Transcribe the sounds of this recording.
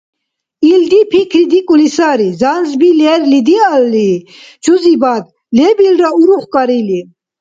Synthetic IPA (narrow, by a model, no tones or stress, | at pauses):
ild̪ipʰikʰɾid̪ikʼulisaɾizanzbilɛɾlid̪ialːi | t͡ʃʰuzibad̪ | lɛbilɾauɾuχkʼaɾili